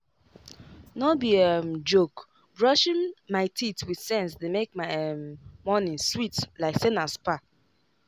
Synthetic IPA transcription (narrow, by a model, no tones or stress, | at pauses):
nɔbiɛmd͡ʒok | bɹɔʃɪ̃nmaɪtʰitwidsɛ̃nsdemekmaɪɛmːɔnĩnswitlaɪksenaspa